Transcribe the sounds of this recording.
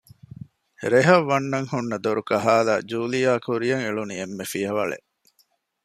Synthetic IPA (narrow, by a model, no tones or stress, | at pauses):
ɾeɦɐʋːɐnːɐŋhunːɐd̪oɾukɐɦaːla̰ːd͡ʒuːlijaːkʰuɾijɐŋeɭuniemːefijɐʋɐɭḛ